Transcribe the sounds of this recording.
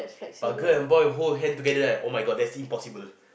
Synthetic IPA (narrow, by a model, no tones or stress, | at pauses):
b̥at̚ɡəɛ̃nbɔɪɛ̃ɦolɦɛ̃ntuɡɛdədɛʔomaɪɡɔd̚dɛtsĩmpɔsibəl